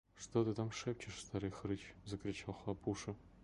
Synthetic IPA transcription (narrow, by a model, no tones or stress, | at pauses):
ʂt̪ot̪ɨt̪amʂɛp̚ʲt͡ɕɪʂst̪aɾɨjxɾɨt͡ɕzɐkɾʲɪt͡ɕalˠxlˠapʰuʂɨ